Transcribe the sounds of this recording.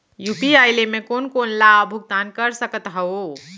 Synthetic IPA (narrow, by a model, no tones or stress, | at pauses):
jupiajlemekonkonlabʱuɡ̚d̪ankəɾsəkət̪ɦɛo